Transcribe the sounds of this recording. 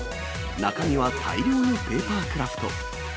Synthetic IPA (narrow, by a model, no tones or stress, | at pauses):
nakaɲʲiβakʰa̰iɾʲo̞ːnope̞ːpaːkɯ̟ɾapʰɯ̟̥t̪o̰